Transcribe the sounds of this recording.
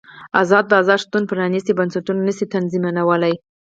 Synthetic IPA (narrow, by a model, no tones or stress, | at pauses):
azɑd̪̚ːəɑzɑd̪ʃt̪un̚pəɾanisibansaʈunanəsit̪anzimanawəlaj